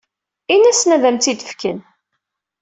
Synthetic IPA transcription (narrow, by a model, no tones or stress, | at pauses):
inæsnæðæmt̪id̪əfkən